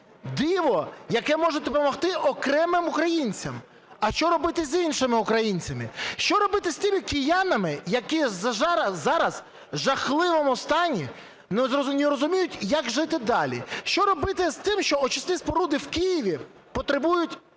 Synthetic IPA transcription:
d̪ɪʋɔjɐkɛmɔʒɛd̪ɔpɔmɔxt̪ɪʔɔkɾɛmɪmʊkɾɐjinʲt͡sʲɐm | ɐʃt͡ʃɔɾɔbɪt̪ɪzʲinʃɪmɪʊkɾɐjinʲt͡sʲɐmɪʃt͡ʃɔɾɔbɪt̪ɪsʲt̪ʲimʲikɪjɑnɐmɪjɐkizʒɐːɑɾɐz̥ | ʒɐxlˠɪʋɔmʊst̪ɑnʲi | nnʲɪɾɔzʊmʲijʊtʲjaɡʒɪt̪ɪd̪ɑlʲḭʃt͡ʃɔɾɔbɪt̪ɪst̪ɪmʃt͡ʃɔɔt͡ʃɪst̪ispɔɾud̪ɪwkɪjiʋʲi | pɔt̪ɾebujʊtʲ

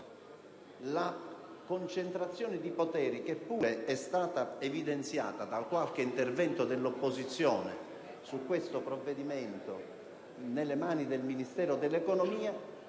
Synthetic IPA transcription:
la | kont͡ʃent̪ɾat̪sːjɔːned̪ipot̪ɛːɾik̟epːuːɾeɛst̪aːt̪aevid̪ent̪sja̰ːt̪ad̪alkwalk̟eint̪ervɛnt̪od̪elːopːozit̪sːjɔːne | sukːwest̪opɾovːed̪iment̪o | nelːemaːnid̪elminist̪ɛːɾod̪elːekonomiːa

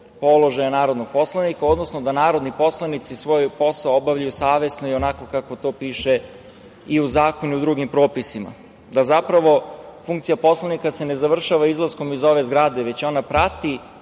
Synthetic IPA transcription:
po̞lˠo̞ʒajanaːɾod̪noɡ̥̚po̞slˠanikao̞d̪nosnod̪anaːɾo̞d̪nipo̞slˠanit̪sisʋo̞jpo̞saoobavʎajusaːʋe̞snoio̞nako̞kako̞t̪o̞ːpiːʃe̞ | iuzaːko̞nuud̪ɾuɡimpɾo̞ːpisima̰ | d̪azapɾaʋo̞fuŋk̚t̪sijapo̞slˠanikase̞nezaʋr̩ʃaʋaizlˠasko̞mizo̞ʋe̞zɡɾad̪e̞ʋet͡ɕo̞napɾat̪i

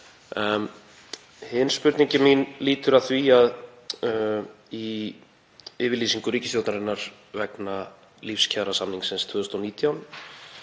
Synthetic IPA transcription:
hɪnspʏɾt̪niɲcɪminliːt̪ʏɾaðθviað | i | ɪːvɪɾliːsiŋkʏɾiːcɪst̪jowt̪naɾɪnːaɾ̥ | vɛkna | lifscʰɛðɾasamniŋksɪnst̪ʰvʏːðʏst̪awniːt̪jawn

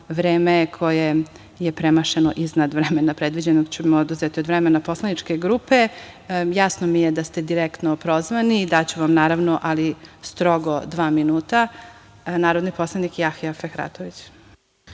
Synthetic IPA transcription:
ʋɾeːmekʰo̞je | jepɾemaʃeno̰ʔiznad̪ʋɾemenapɾe̞d̪ʋid͡ʑenoɡt͡ɕumeod̪uzet̪iod̪ʋɾemenapo̞slˠanit͡ʃke̞ɡɾuːpe̞ | jasnomijed̪ast̪ed̪iɾekt̪nopɾozʋanid̪at͡ɕuʋamnaːɾaʋnoʔalist̪ɾoɡod̪ʋaːminuːt̪a | naːɾod̪nipo̞slˠanikiaxiafexɾa̰t̪oʋit͡ɕ

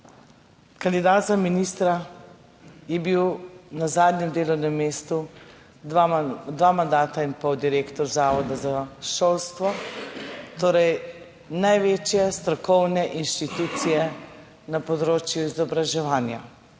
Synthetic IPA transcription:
kand̪id̪aːt̪zaminist̪ɾa | jɛbiwnazaːd̪nʲɲjɛmd̪eːlɔwnɛmːeːst̪u | d̪ʋaːmand̪aːt̪ainpɔwd̪iɾeːkt̪ɔɾzaːʋɔd̪azaʃoːlst̪ʋɔ | t̪oːɾɛj | najʋet͡ʃjɛst̪ɾɔkɔwnɛʔinʃt̪it̪ut̪sijɛ | napɔd̪ɾoːt͡ʃjuizɔbɾaʒɛʋaːnja

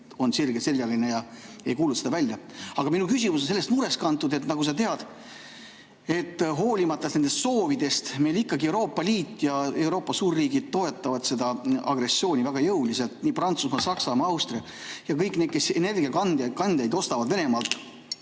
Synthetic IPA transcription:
o̞nsirɡ̥eseljɑlinejɑejkuːlut̪se̞d̪ɑvælʲːjɑɑɡ̥ɑminukysʲimus̬onse̞lːest̪muɾe̞st̪kɑnt̪ˑːud̪e̞t̪nɑɡus̬ɑt̪e̞ɑd̪̥ | e̞t̪ˑːɦo̞ːlʲimɑt̪ːˑɑtne̞nd̪e̞st̪so̞ːvid̪̥e̞st̪me̞jlikːˑɑɡiewɾo̞ːpːˑɑliːt̪ːˑjɑe̞wɾo̞ːpːˑɑsuːrːiːɡid̪̥̚t̪o̞e̞t̪ːˑɑvɑd̪̥se̞d̪̥ɑɑ̰ɡɾe̞sːjo̞ːnʲivæɡ̥ɑjɤwliselt̪niːprɑnt̪susmɑsɑksɑmɑɑwst̪riɑ | jɑkɤjkned̪̥ke̞sene̞rɡiɑkɑnd̥̪kɑnd̪̥jɑjd̪o̞st̪ɑvɑd̪ve̞ne̞mɑlt̪ˑ

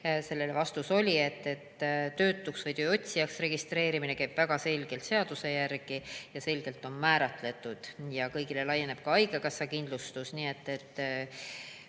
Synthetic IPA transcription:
se̞lːe̞levɑst̪uso̞lʲie̞t̪ːe̞t̪ːt̪ːø̞ːt̪ːˑuksvɤjt̪øːo̞t̪ʲsijɑksre̞ɡ̥ist̪ɾe̞ːɾiminekæjb̥væɡ̥ɑse̞lʲɡ̥e̞lt̪se̞ɑd̪use̞jærɡ̥ijɑse̞lɡ̥e̞lt̪o̞nmæːɾɑt̪le̞t̪ːˑud̪̥jɑkɤjɡ̥ile̞lɑje̞ne̞b̥̚kɑɑjɡ̥ekɑsːɑkind̪lust̪usnie̞t̪ːe̞t̪ː

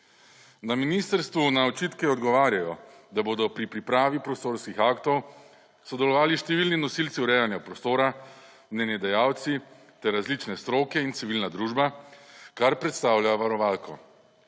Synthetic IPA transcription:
naminist̪əɾst̪ʋunaɔt͡ʃiːt̪kɛɔd̪ɡɔʋaːɾjajɔ | d̪aboːd̪ɔpɾipɾipɾaːʋipɾɔst̪oːɾskixaːkt̪ɔw | sɔd̪ɛlɔʋaːliʃt̪ɛʋilninɔsilt̪siuɾɛjanjapɾɔst̪oːɾa | mnɛnjɛd̪ɛjaːwt̪si | t̪ɛɾːazlit͡ʃnɛst̪ɾoːkɛint̪siʋilnad̪ɾuːʒbakaɾpɾɛt̪st̪aːwljaʋaɾɔʋaːlkɔ

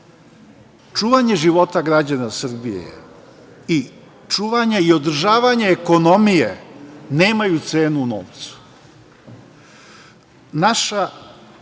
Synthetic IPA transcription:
t͡ʃuːʋaɲe̞ʒiʋo̞t̪aɡɾad͡ʑanasr̩bijḛjḛ | i | t͡ʃuːʋaɲeio̞d̪r̩ʒaːʋaɲe̞ːko̞no̞mije̞ne̞ːmajut̪se̞ːnuːno̰ːʋt̪su̥ | naʃa

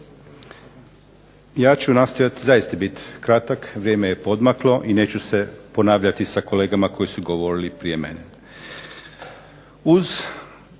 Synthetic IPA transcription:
jaːt͡ɕunast̪o̞jat̪zajist̪abit̪kɾat̪akʋɾjeːmeje̞po̞d̪maklˠo̞ʔine̞ːt͡ɕuse̞po̞naːʋʎat̪isako̞le̞ːɡamako̞jisuɡo̞ʋo̞ɾilipɾije̞mḛne | uz

